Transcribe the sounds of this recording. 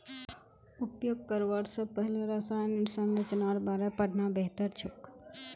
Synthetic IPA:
ʊpjoːɡ̚kəɾʋaɾsəpəɦleɾasaːjnɪɾsənɾət͡ʃnaɾbaːɾepəɽʱnabeɦt̪əɾt͡ʃʰʊk

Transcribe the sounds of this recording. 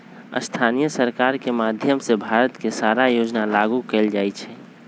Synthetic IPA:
ə̰st̪ʰanijəsəɾkaɾkemad̪ʱjəmsebʱaɾət̪kesaɾajod͡ʒnalaɡukɛld͡ʒaːjt͡ʃʰɛ

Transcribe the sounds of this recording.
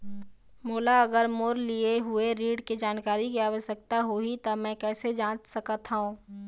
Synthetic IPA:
moːlaɐɡəɾmoːɾlieɦʊeɾiːɖked͡ʒaːnkaːɾikiaːʋəʃək̚t̪aɦoit̪ɐmɛ̃ːkɛːsed͡ʒãːt͡ʃsɐkət̪ʰɦaũː

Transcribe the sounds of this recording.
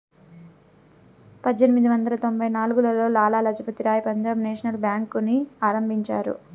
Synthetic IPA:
pɐd̪jenimid̪iʋɐnd̪ɐlɐt̪o̞mbʱɐjnaːluɡulɐlo̞ːlaːlaːlɐd͡ʒʱɐpɐt̪iɾaːjpɐɲd͡ʒaːbneːʃɐnɐlbjaːŋkuniaːɾɐmbʱiɲt͡ʃaːɾṵ

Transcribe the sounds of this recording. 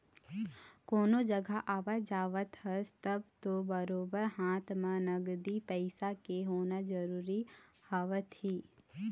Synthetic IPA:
koːnod͡ʒəɡʱaʔaːʋəd͡ʒaːʋət̪ɦəst̪əbt̪obəɾoːbəɾɦãːt̪mãnəɡd̪ipɛɪsakeɦoːnad͡ʒəɾuːɾihaːʋət̪ɦiː

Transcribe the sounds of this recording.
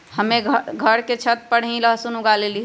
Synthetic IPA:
həmeɡɡʱəɾket͡ʃʰət̪̚pəɽ̤ĩləɦsunuɡaleli

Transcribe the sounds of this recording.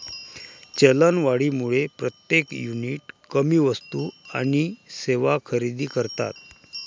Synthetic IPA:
t͡ɕelənʋaɽiːmuɭepɾət̪jekjuniʈkəmiːʋəst̪ua̰ɽ̃iseʋakʰəɾid̪iːkəɾt̪a̰t̪̚

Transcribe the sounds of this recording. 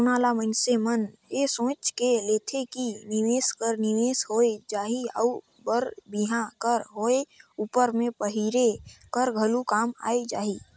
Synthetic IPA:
ʊnaːlamənsemənjesõːt͡ʃkeleːt̪ʰekinɪʋeːskəɾnɪʋeːshoːed͡ʒaːɦiɔ̰ʊ | bəɾbiɦãkəɾɦoːeuːpəɾmẽpəɦiɾekəɾɡʱəlukaːma̰ːed͡ʒa̰ːɦi

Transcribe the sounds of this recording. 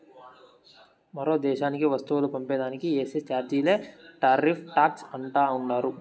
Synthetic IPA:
mɐɾo̞ːd̪ɛːʃaːnikiʋɐst̪uʋɐlupɐmpɛːd̪aːnikieːset͡ʃaːɾd͡ʒiːle̞ːʈaːɾipʰʈaːksɐɳʈaːuɳɖaːɾu

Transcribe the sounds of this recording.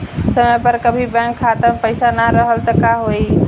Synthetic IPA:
səməjpəɾkəbʱibɛ̃kʰːat̪əmpəɪsanaɾəɦəlt̪əkaɦoi

